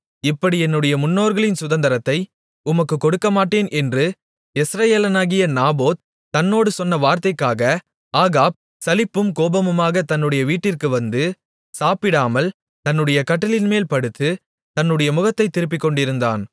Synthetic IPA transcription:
ɪpːɐɽiɛnːɯɽɐjɐmʊnːoːɾɣɐɭɪnsʊðɐnd̪ɐɾɐt̪ːɐɪ | ʊmɐkːɯkːɔɽɯkːɐmaːʈːeːnʔɛndrɯ | ɛsɾɐjeːlɐnaːɣɪjɐnaːboːd̪̚ | t̪ɐnːoːɽɯsɔnːɐʋaːɾt̪ɐɪkːaːɣɐ | aːɣaːb̚ | sɐlɪpːɯmkoːbɐmɯmaːɣɐt̪ɐnːɯɽɐjɐʋiːʈːɪrkɯʋɐnd̪ɯ | saːpɪɽaːmɐl | t̪ɐnːɯɽɐjɐkɐʈːɐlɪnmeːlpɐɽɯt̪ːɯ | t̪ɐnːɯɽɐjɐmʊɣɐt̪ːɐɪt̪ːɪɾɯp̬ːɪkːɔɳɖɪɾɯnd̪a̰ːn

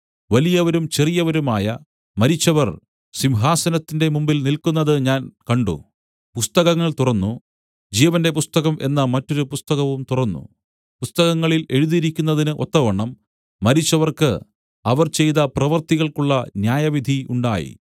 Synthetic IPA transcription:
ʋɐlijɐʋɐɾumt͡ɕe̞rijɐʋɐɾumaːjɐ | mɐɾit͡ɕːɐʋɐr | simɦaːsɐnɐt̪ːinde̞mumbilnilkunːɐðɨɲaːnkɐɳɖṵ | pust̪ɐɣɐŋːɐɭt̪urɐnːu | d͡ʑiːʋɐnde̞pust̪ɐɣɐmʔe̞nːɐmɐtːo̞ɾupust̪ɐɣɐʋumt̪urɐnːṵ | pust̪ɐɣɐŋːɐɭile̞ɻuðiɾikʲːunːɐðinɨʔo̞t̪ːɐʋɐɳːɐmː | ɐɾit͡ɕːɐʋɐrkɨ | ɐʋɐrt͡ɕe̞jt̪ɐprɐʋɐrt̪iɣɐɭkuɭːɐnjaːjɐʋid̪ʱiuɳɖaːjḭ

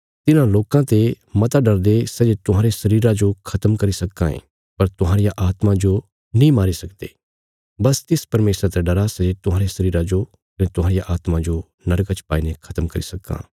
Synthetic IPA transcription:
t̪ɪnãloːkãt̪e | mɐt̪aɖɐɾd̪esɛːd͡ʒet̪ʊɦãːɾesɐɾiːɾãd͡ʒokʰɐt̪əmkɐɾisɐkːãɦḛ̃ | pɐɾt̪ʊɦãːɾɪjaʔaːt̪mãd͡ʒo | nĩmaːɾisɐkd̪ḛː | bɐst̪ɪspɐɾmeːsɾat̪ɛɖɐɾasɛd͡ʒet̪ʊɦãːɾesɐɾiːɾãd͡ʒo | kɐnẽt̪ʊɦãːɾɪjaʔaːt̪mãd͡ʒo | nɐɾkat͡ʃpaːinekʰɐt̪əmkɐɾḭsɐkːã̰ː

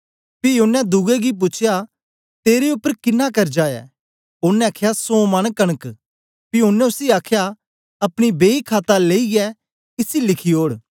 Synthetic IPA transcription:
pijonɛd̪ʊɡɛɡip̬ʊt͡ʃʰja | t̪eːɾeʊpːəɾkɪnːakɐɾd͡ʒaːɛ̰ː | ʊnːɛ̃ɐkʰjasõːmɐnkɐɽ̃ək | piʊnːɛ̃ʊsiaːkʰja | ɐpɽ̃ibeːikʰaːt̪aleːiɡɛ | ɪsilɪkʰioːɽ

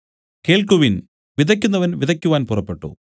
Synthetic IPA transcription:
ke̞ːɭkuʋin | ʋid̪ɐk̬ʲːunːɐʋɐnʋid̪ðɐkʲːuʋaːnpurɐpːe̞ʈːṵ

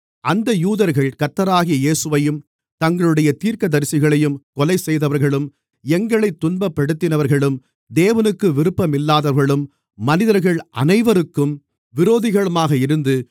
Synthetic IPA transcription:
ʔɐnd̪ɐjuːðɐɾɣɐɭkɐt̪ːɐɾaːɣɪjɐjeːsɯʋɐjɯm | t̪ɐŋɡɐɭɯɽɐjɐt̪iːɾkɐd̪ɐɾsɪɣɐɭɐjɯmkɔlɐɪsɛjðɐʋɐɾɣɐɭɯm | ɛŋɡɐɭɐɪt̪ːʊnbɐpːɐɽɯt̪ːɪnɐʋɐɾɣɐɭɯm | d̪eːʋɐnɯkːɯʋɪɾɯpːɐmɪlːaːðɐɾɣɐɭɯmː | ɐnɪðɐɾɣɐɭʔɐ̰nɐɪʋɐɾɯkːɯm | ʋɪɾoːðɪɣɐɭɯmaːɣɐɪɾɯnd̪ɯ

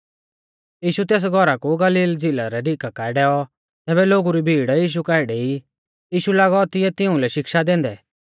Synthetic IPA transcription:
jiːʃut̪ɛːs̬ɡʱɔɾakuɡɐliːld͡zilaɾɛɖikakaɛɖɛːɔ | t̪ɛːbɛloːɡuɾibʱiːɽjiːʃ̬ukaɪɽei | jiːʃulaːɡɔt̪ɪjɛt̪ɪũlɛʃɪkʃad̪ẽːnd̪ɛ

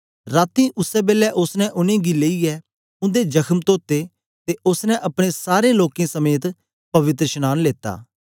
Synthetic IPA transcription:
ɾaːt̪ĩːʔʊsɛːbeːlɛːʔʊsnɛ̃ʔʊnẽːɡiːleːiːɛː | ʊ̃nd̪eːd͡ʒəkʰəmt̪oːt̪eː | t̪eʔʊsnɛ̃ʔɐpɽ̃ẽsaːɾẽːloːkẽːsəmeːt̪ | pɐʋɪt̪ɾəʃənaːnleːt̪ːa̰ː

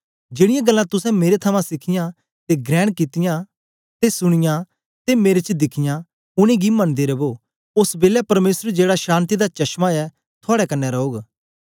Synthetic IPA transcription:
d͡ʒɪɽɪjãɡəlːãt̪ʊsɛ̃meːɾet̪ʰəmãsɪkʰɪjã | t̪eɡɾɛ̃ːɽ̃kɪt̪ɪjã | t̪esʊɽ̃ɪjã | t̪emeːɾet͡ʃd̪ɪkʰɪjã | ʊɽ̃ẽɡimɐnd̪eːɾeboː | ʊsbeːlɛpɐɾmeːsəɾd͡ʒeːɽaʃãːnt̪̬id̪at͡ʃɐʃmaɛ | t̪ʰʊaːɽɛkɐnːɛɾɐoːɡ

